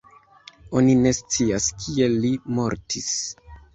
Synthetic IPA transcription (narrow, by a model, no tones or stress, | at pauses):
o̞nine̞st͡siaskʰie̞lːimo̞ɾtʰis